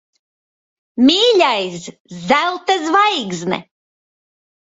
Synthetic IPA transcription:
mʲiːlʲajs | zælˠt̪azvajɡznɛ̰

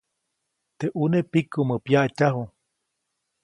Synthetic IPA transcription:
t̪eʔunepikuməpjaʔt͡ʃaɦu

